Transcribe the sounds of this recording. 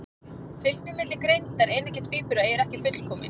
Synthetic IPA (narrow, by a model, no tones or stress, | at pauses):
fʏlnʏmɪt̪lɪkɾejnt̪aɾejnɛhcɛ̥t̪ʰfiːpʏɾaɛɾɛhcɪfʏt̪l̥kʰɔːmɪ̰n